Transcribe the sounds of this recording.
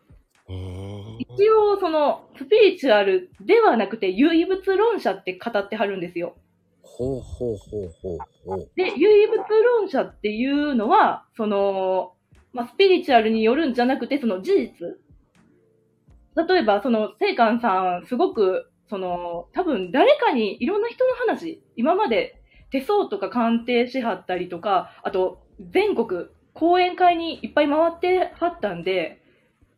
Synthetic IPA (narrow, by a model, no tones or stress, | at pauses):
it͡ɕio̞ːso̞no̞sɨ̥pʲiɾʲit͡ɕɯaɾɯ̟d̪e̞βanakɯ̟t̪e̞jɯ̟ːibɯ̟t͡sɨɾõ̞ɰ̃ɕat̪ːe̞kat̪at̪ːe̞ɦaɾɯ̟̃nd̪e̞sɨjo̞ | hohohohoː | d̪e̞jɯːibɯ̟t͡sɨɾõ̞ɰ̃ɕat̪ːe̞jɯ̟ːno̞βaso̞no̞ | masɨ̥pʲiɾʲit͡ɕɨaɾɯ̟ɲ̟ijo̞ɾɯ̟̃ɲ̟d͡ʑanakɯ̟t̪e̞so̞no̞d͡ʑiʑit͡sɨ | t̪at̪o̞e̞baso̞no̞se̞ːkãɰ̃sãɰ̃sɨɡo̞kɯ̟ | so̞no̞t̪abɯ̟̃nd̪aɾe̞kaɲ̟iiɾõ̞nːaçi̥t̪o̞no̞ɦanaɕi | imamad̪e̞ | t̪e̞so̞ːt̪o̞kakãnt̪e̞ːɕeɦat̪ːaɾʲit̪o̞kaat̪o̞ | d͡zẽ̞ŋko̞kɯ̟ | kʰo̞ːẽ̞ŋkaiɲ̟iipːaimaβ̞at̪ːe̞hat̪ːãnd̪e̞